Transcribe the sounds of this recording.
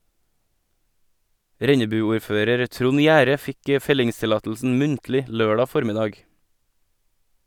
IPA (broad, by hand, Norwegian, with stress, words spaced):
ˈɾɛɲəbʉˌuːɾˌføːɾəɾ ˈtɾʊn ˈjæːɾə ˈfɪk ə ˈfɛlɪŋstɪˌlɑːtl̩sn̩ ˈmʉntlɪ ˈløːɖɑ ˈfɔɾmɪdɑːɡ